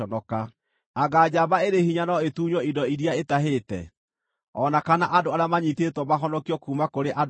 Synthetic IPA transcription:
ɔnɔka | aɣad͡ʑabaeɾehiɲanɔetuːɲwɔindɔiɾiaetaɦetɛ̰ | ɔnakanaʔadoaɾeamaɲitetwɔmaɦɔnɔkiɔkuːmakoɾeʔad

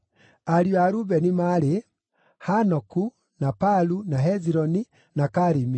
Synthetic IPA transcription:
aɾjwaɾubɛnimaɾe | hanɔku | napalunaɦɛziɾɔni | nakaɾimi

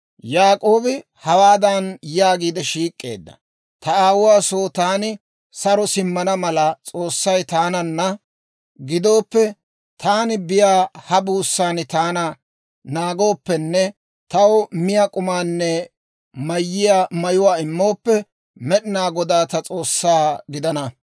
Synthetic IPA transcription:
jaːkʼo̞ːbɪ | hɐwaːd̪ɐnjaːɡiːd̪ɛʃiːkʼːe̞̰ːd̪ːɐ̰ | t̪ɐaːwʊwaːsoːt̪aːnɪ | sɐɾɔsɪmːɐnɐmɐlɐt͡sʼo̞ːsːɐjt̪aːnɐnːɐ | ɡɪd̪o̞ːpːɛ | t̪aːnɪbɪjaːhɐbuːsːaːnɪt̪aːnɐ | naːɡo̞ːpːɛnːɛ | t̪ɐwmɪjakʼʊmaːnːɛ | mɐjːɪjamɐjʊwaːɪmːo̞ːpːɛ | mɛɗɪnaːɡɔd̪aːt̪ɐt͡sʼo̞ːsːaːɡɪd̪ɐnɐ

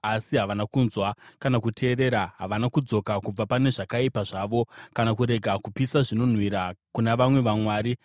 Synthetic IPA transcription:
asiɦaʋanakunzwakanakutʰe̞ːre̞ːɾaɦaʋanakud͡zo̞kakub͡vapane̞ʐakaipaʐaːʋo̞kanakuɾe̞ɡʱakupisaʐino̞n̤wiɾakunaʋamwe̞ʋamwaːɾi

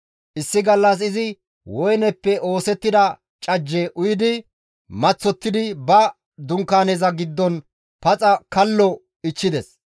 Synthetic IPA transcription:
ʔɪsːɪɡɐlːɐs̬ɪzɪ | wɔjnɛpːɛʔo̞ːsɛt̪ːɪd̪ɐ | t͡ʃʼɐd͡ʒːɛʔʊjɪd̪ɪ | mɐt͡sːɔt̪ːɪd̪ɪbɐ | d̪ʊŋkːaːnɛzɐɡɪd̪ːɔn | pɐt͡sʼɐkɐlːɔ | ɪt͡ʃːɪd̪ɛs

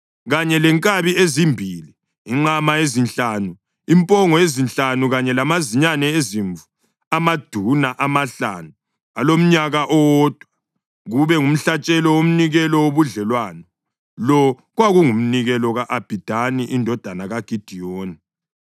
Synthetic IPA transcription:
ɣaɲɛlɛŋkʼaβiezimbʱiliː | ŋ͡ǃamaezint͡ɬʼanu | impʼɔŋɔezint͡ɬanuɣaɲɛlamaziɲanɛeziɱvu | amad̥ʱunaʔamaɬa̰nu | alom̩ɲaɣaʔɔwɔd̥ʱwa | ɣuβɛŋum̩ɬat͡ʃʼɛlɔwom̩niɣɛlɔwoβuɮɛlwanɔ | lɔ | ɣwaɣuŋum̩niɣɛlɔɣaʔab̥ʱid̥ʱaniʔindʱɔd̥ʱanaɣaɡ̥ʱid̥ʱijoːni

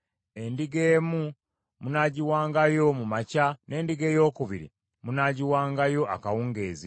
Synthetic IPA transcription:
e̞ndiɡe̞ːmu | munaɟiwaːŋɡajo̞mumacane̞ːndiɡe̞ːjo̞ːkuβiɾḭ | munaːɟiwaːŋɡajo̞akawuŋɡe̞ːzi

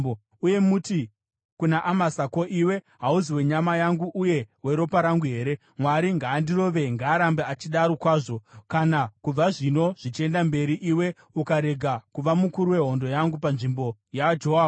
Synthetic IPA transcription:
o | uje̞muti | kunaʔamasako̞ʔiwe̞ | ɦauziwe̞ɲamajaŋɡuʔuje̞we̞ɾo̞paɾaŋɡuɦe̞ːɾe̞ | mwaɾiŋɡaːndiro̞ʋe̞ŋɡaːɾambeat͡ʃiɗaɾokwaːʐo̞kanakub͡vaʐino̞ʐ̥it͡ʃe̞ndambe̞ɾiʔiwe̞ | ukaɾe̞ɡʱakuʋamukuɾuwe̞ɦo̞ndo̞jaŋɡupanʐimbo̞jaad͡ʒoɦoaːb

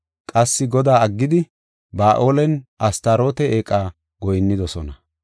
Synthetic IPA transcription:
kʼɐsːɪɡɔd̪aːɐɡːɪd̪ɪ | baːʔo̞ːlɛnʔɐst̪aɾo̞ːt̪ɛeːkʼːaː | ɡɔjnːɪd̪ɔsɔnɐ

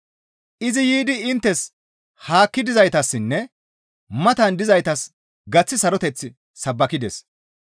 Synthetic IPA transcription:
ʔɪzɪjiːd̪ɪɪnt̪ːɛs | haːkːɪd̪ɪzɐjt̪ɐsːɪnːɛ | mɐt̪ɐnd̪ɪzɐjt̪ɐs | ɡɐt͡sːɪsɐɾɔt̪ɛt͡sːɪ | sɐbːɐkɪd̪ɛ̰s

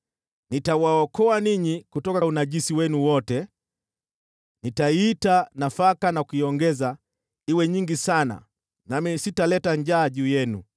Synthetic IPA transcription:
nitawaɔkɔaniɲikutɔkaunaʄisiwɛnuwɔtɛ | nitaitanafakanakuiɔŋɡɛza | iwɛɲiŋɡisana̰ | namisitalɛtaɲd͡ʒaːʄuːjɛnṵ

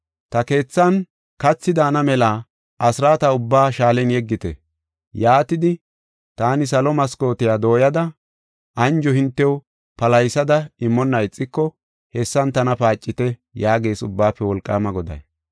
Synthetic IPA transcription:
t̪ɐke̞ːt͡sːɐn | kɐt͡sːɪd̪aːnɐmɛlaː | ʔɐsɾaːt̪ɐʊbːaːʃaːlɛnjɛɡːɪt̪ɛ̰ | jaːt̪ɪd̪ɪ | t̪aːnɪs̬ɐlɔmɐsko̞ːt̪ɪjaːd̪o̞ːjɐd̪ɐ | ʔɐnd͡ʒɔhɪnt̪ːɛw | pɐlɐjsɐd̪ɐɪmːɔnːɐɪt͡sʼːɪkːɔ | hɛsːɐnt̪ɐnɐpaːt͡ʃʼːɪt̪ɛjaːɡe̞ːsʊ̰bːaːpːɛwɔlkʼːaːmɐɡɔd̪ɐ̰j

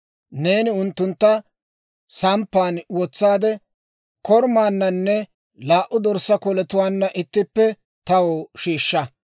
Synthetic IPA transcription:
ne̞ːnɪʊnt̪ːʊnt̪ːɐ | sɐmpːaːnwɔt͡sːaːd̪ɛ | kɔɾmaːnːɐnːɛ | laːʔʊd̪ɔɾsːɐkɔlɛt̪ʊwaːnːɐʔɪt̪ːɪpːɛ | t̪ɐwoːʃiːʃːɐ

